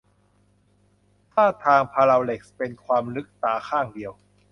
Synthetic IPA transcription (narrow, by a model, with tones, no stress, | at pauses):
t̪ʰaː˥˩t̪ʰaː˧ŋpʰaː˧ɾa˧wle˨˩k̚spe˧nkʰwaː˧mnɯ˦˥k̚t̪aː˩˦kʰaː˥˩ŋdi˧əw